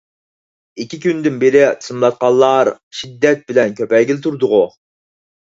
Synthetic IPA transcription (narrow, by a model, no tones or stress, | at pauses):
ikʲikʲynd̪ɪnbeɾɪt̪ʰɨ̥smlˠɑt̪̚qɑlˠːɑɾ | ʃid̪ːɛt̪̚bɪlɛnkʲʰøpɛɡʲilt̪ʰuɾd̪ʊʁʊ